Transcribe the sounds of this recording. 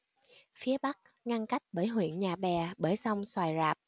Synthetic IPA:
fi˨˦əɓa˦˥k̚ | ŋa˧nka˦˥jk̟̚ɓəː˧˩jɦwḭ˧˨ənɲaː˨˩ɓɛ˨˩ɓəː˧˩jsa˧wŋ͡mswaː˨˩jzaː˨˩p̚

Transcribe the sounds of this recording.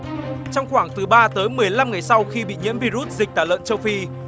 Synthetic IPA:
t͡ɕɔ˧wŋ͡mxwaː˧˩ŋt̪ɨ˨˦ɓaː˧t̪əː˨˦jmɨ˨˩əjla˧mŋa˨˩jsa˧wxi˧ɓḭ˧˨ɲḭ˧˥əmvi˧zu˦˥t̚zï˨˩k̟̚t̪ʰaː˧˩lə̰˧˨nt͡ɕə˧wfi˧

